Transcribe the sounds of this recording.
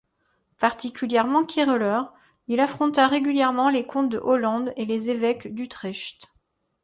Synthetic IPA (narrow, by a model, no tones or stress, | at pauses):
paʁt̪ikʲyljɛʁmɑ̃kʲʰiʁəlœʁ | ilafχɔ̃t̪aʁeɡʲyljɛʁmɑ̃lekʰɔ̃t̪̚d̪əʔɔlɑ̃d̪elezevɛkd̪yt̪χɛʃt̪